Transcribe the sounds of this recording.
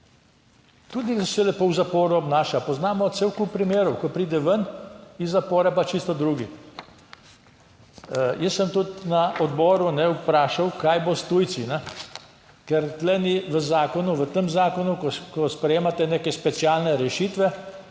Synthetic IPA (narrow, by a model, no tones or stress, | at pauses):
t̪uːd̪isɛlɛpowzapoːɾuɔbnaːʃapɔznaːmɔt̪sewkuppːɾimeːɾɔwkɔpɾiːd̪ɛʋənizːapɔːɾɛpat͡ʃist̪ɔd̪ɾuːɡi | jəsːəmt̪ut̪naʔɔd̪bɔːɾunɛwpɾaːʃawkajbost̪ujt̪sinɛ | kɛɾt̪lɛniʋəzaːkɔnuʋət̪əmzaːkɔnukkɔspɾɛjeːmat̪ɛneːkɛspɛsjalnɛɾɛʃiːt̪ʋɛ